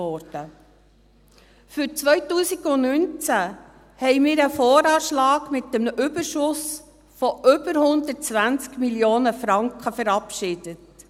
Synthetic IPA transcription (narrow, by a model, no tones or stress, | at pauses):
ɔɾd̥ə | fʏɾt͡sʋœʏtuːsiɡʊnynt͡sæ | hɛɪmɪːɾəfɔːɾɑːʃlɑːɡmɪt̚dɛmʏbəɾʃʊs | fɔʔʏbəɾhʊnd̪ət̚t͡sʋænt͡skmiljoːnəfɾɑŋkχəfɛɾɑpʃɪd̥ət